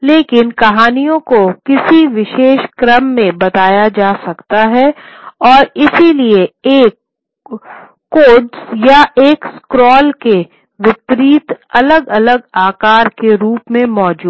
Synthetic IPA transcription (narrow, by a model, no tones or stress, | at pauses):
leːkɪnkɐɦaːnijõkokɪsiʋɪʃeːʃkɾəmːẽbɐt̪aːjad͡ʒaːsɐkt̪aɦɛɔːɾɪsilieeːk | oːɖsjaʔeːkskɾɔːlke | ʋɪpɾiːt̪ɐləɡɐləɡaːkaːɾkeɾuːpmẽmɔːd͡ʒuːd̪